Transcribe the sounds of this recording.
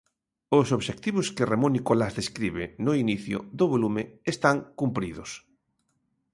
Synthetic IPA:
ʊsoβʃek̚t̪iβʊskeremõnikolazðeskɾiβɪnʊiniθjʊ̰ðoβolumɪːst̪aŋkumpɾiðʊs

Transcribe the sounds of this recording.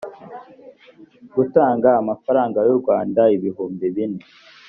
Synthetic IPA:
ɡutaːŋɡaːmafaɾaːŋɡajuɾɡwaːndaiβiɦuːmbiβine

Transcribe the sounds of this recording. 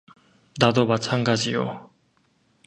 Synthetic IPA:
nad̪omat͡ɕʰanɡad͡ʑijo̰

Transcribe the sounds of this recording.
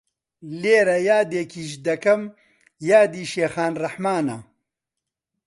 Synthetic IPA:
leːɾɐjaːd̪eːkʰiːʃ̬d̪ɐkɐm | jaːd̪iːʃeːxaːnrɐħmaːnɐ̰

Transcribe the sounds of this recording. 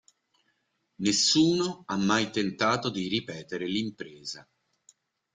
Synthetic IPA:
nesːuːnoamːajt̪ent̪aːt̪od̪iɾipɛːt̪eɾelimpɾeːza

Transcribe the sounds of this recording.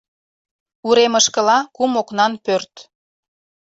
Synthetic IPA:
uɾeməʃkə̆lɑkumoknɑnpørt̪

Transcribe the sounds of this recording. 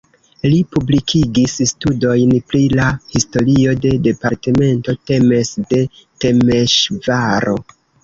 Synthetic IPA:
lipublikʰiɡisstudo̞jnpɾilahisto̞ɾio̞de̞de̞paɾte̞me̞nto̞te̞mesde̞ | te̞meʃvaɾo̞̰

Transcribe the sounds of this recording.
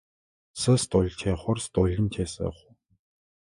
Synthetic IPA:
səst̪ʊɮ̆ʲt͡ɕʰeːχʊrst̪ʊɮʲə̆mt͡ɕʰeːsə̰χʊ

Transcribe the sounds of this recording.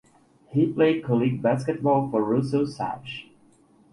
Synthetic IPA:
hipʰl̥eɪd̚kʰɔlˠiɡ̚bæskɨt̚bɔlˠfə˞ɹusoʊsæ̰t͡ʃ

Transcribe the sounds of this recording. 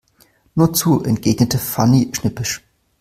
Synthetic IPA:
nuːɐt͡suːʔɛnt̚ɡ̥eːɡ̥nətəfaniʃnɪpɪʃ

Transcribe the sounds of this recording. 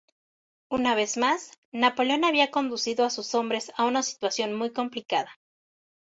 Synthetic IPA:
unaβ̞e̞zmasnapo̞leo̞naβiako̞nd̪usiðoasuso̞mbɾe̞saunasi̥t̪wasjo̞nmujko̞mplikaða

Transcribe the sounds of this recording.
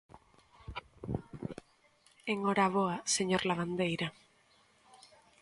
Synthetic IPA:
eŋoɾaβ̞oaseɲoɾlaβ̞and̪ejɾa

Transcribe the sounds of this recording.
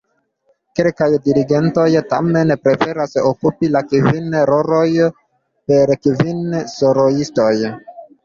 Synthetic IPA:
ke̞lkajdiɾiɡe̞nto̞jta̰me̞npɾe̞fe̞ɾasokupilakivinɾo̞ɾo̞j | pe̞ɾkivinsoɾoisto̞j

